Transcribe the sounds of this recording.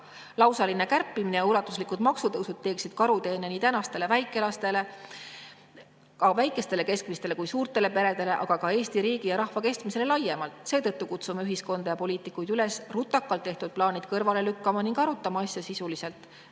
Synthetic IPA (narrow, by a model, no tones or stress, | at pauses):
lɑwsɑline̞kærpːˑiminejɑulɑt̪ːˑuslikud̪̥mɑksut̪ɤwsud̪̥̚t̪ːe̞ːksid̪̥kɑɾut̪e̞ːne̞niːt̪ænɑst̪e̞le̞væjkːˑe̞lɑst̪e̞le̞ | kɑvæjkːˑe̞st̪e̞le̞ke̞skmist̪e̞le̞kujsuːrt̪ˑe̞le̞pe̞ɾe̞d̪̥e̞le̞ʔɑ̰ɡ̥ɑkɑe̞ːsʲt̪iɾiːɡ̥ijɑɾɑhvɑke̞st̪miselelɑjːe̞mɑlt̪ˑse̞ːt̪ɤt̪ːukut̪sumeyɦisko̞nd̪̥ɑjɑpo̞lʲiːt̪ˑikːˑujd̪yle̞srut̪ːˑɑkːˑɑlt̪ːe̞ht̪ud̪̥̚plɑːnid̪̥kɤrvɑle̞lykːɑmɑniŋɡ̥ɑɾut̪ːˑɑmɑɑsjɑsisulise̞lt̪ˑ